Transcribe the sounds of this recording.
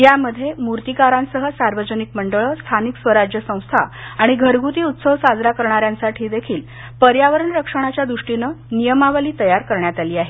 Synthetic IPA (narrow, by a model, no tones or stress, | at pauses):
jaməd̪ʱːjemuɾt̪ikaɾãnsəɦəsaɾʋəd͡ʑənikməɳɖəɭəst̪ʰaniksʋəɾad͡ʑjəsə̃w̃st̪ʰaaɽ̃iɡʱəɾɡʱut̪iːut̪səʋsad͡zɾakəɾɳaɾjãnsaʈʰiːd̪ekʰiːl | pəɾjaʋəɾəɳɾəkʂəɳ̃at͡ɕjad̪ɾuʂʈinənijəmaʋəliːt̪əjaɾkəɾɳjat̪aliːaɦe